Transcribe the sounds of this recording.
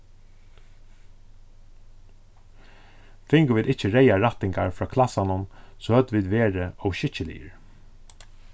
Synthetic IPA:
fɪŋɡʊʋiːd̪ɪt͡ʃəɹejaɹat̪ɪŋɡaɹfɹɑːkʰlasanʊnsɔːhœd̪ʋiːd̪ʋeːɹəɔwʃɪt͡ʃəlḭːə̰ɹ

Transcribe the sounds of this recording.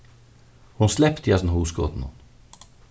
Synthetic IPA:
hʊnslɛpt̪ʰjɑsnɦuːsɡo̰ːt̪n̩ʊ̰n

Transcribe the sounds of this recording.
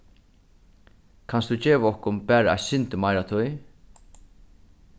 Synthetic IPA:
kʰanstd̪ut͡ʃeːvaɔhkʊnpæːɾaɛ̰ɕɪnt̪ɪmajɾat̪ʰʊj

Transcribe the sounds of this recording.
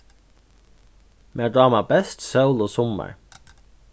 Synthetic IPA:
mʔeːdɑːmɑbɛst̪sœʉloːsɔmə̰ɹ

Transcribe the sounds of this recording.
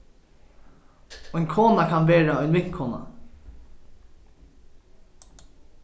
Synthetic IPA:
ɔjŋkʰoːnakʰanʋeːɹaɔʏjnmɪt̪kʰoːna̰

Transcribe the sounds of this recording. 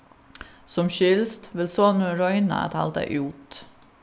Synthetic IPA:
sɔmʃʏlst̪ʋɪlsoːnʉɾɔʏnɑ̰t̪ʰɑ̰ld̪ə̰ʔuːt̪

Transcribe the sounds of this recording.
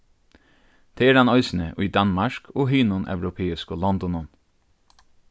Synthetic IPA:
d̪̥ʰeːeːɖɛnɔʏsn̩əʔiːd̪ɑnmɑʃkʰoːɦiːnʊnʔœ̰ʋɾʊpʰeːɪskoːlɔnd̪ɔnɔn

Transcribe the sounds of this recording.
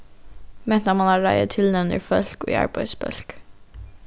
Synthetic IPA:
mɛnt̪ɑmɑnɑːɹæɪə̰t̪ʰɪlnɛʋnɪ̰fœlko̰ːɑ̰ɹbæɪsbœ̰lk

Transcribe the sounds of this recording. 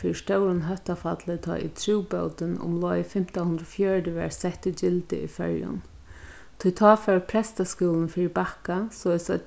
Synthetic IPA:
fiːɾɪst̪œʊɾʊnɦœht̪afat̪lɪt̪ʰɔ̰ːʔḭt̪ʰɾuwpœwt̪ɪnʊ̰mlɔːjfɪm̥t̪ahʊnd̪ɾɔfjœːɹdɪʋɛ̰ɹsɛht̪ɪd͡ʒɪlt̪ɪ̰ḭfɛ̰ɹjʊ̰n | t̪ʰʊjt̪ʰɑːfɛɹpʰɾɛst̪askuːlnfiːɾɪbakasɔːɪsa

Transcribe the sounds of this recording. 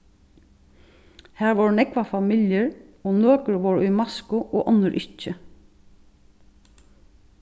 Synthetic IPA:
hæːɹʋɔɹnɛkʋafamiljəɹ | ɔːnoːkəɹʋɔɹʊmɑskʊʔɔːʔɔnəɹʔɪt͡ʃːə

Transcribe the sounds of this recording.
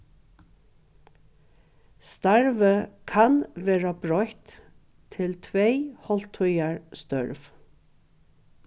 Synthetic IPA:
st̪ɑɹʋəkʰɑnʋeːɹabɹɔjt̪ʰː | ɪlt̪ʰʋeɪhɔlt̪ʰɔʏaɹst̪œ̰ɹʋ

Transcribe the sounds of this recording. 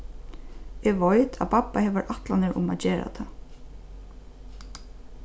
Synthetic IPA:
ɛʋɔjt̪ʰapʰapːahɛːʋəɾʔat̪lanɪɾʔʊ̰ma̰t̪d͡ʒeːɾa̰t̪ʰa

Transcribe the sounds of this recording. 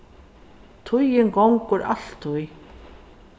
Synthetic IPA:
t̪ʰʊjɪŋɡɔwŋkʊɾʔa̰l̥t̪ʰːʊj

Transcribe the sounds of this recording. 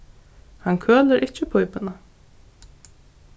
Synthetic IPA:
hankʰøːləɾʔɪcːəpʰɔjpɪna

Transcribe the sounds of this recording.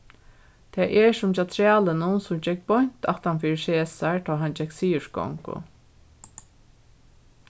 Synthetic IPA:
t̪ʰɛːʔɛɹsʊmt͡ʃat̪ʰɹæːlənʊnsʊmd͡ʒɛkbɔɲ̥t̪a̰ht̪anfiːɾɪʃeːsaɹt̪ʰɔːɦand͡ʒɛksiːʊʃkɔ̰ŋkʊ̰

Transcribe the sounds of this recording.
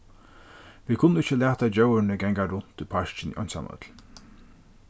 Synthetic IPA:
ʋiːkʰʊnːʊɪt͡ʃːəlæːt̪ad͡ʒœwənəɡɛŋɡaɾʊn̥t̪ʰɪpʰaʃt͡ʃɪnḭʔɔ̰nsa̰mœ̰t̪l̥

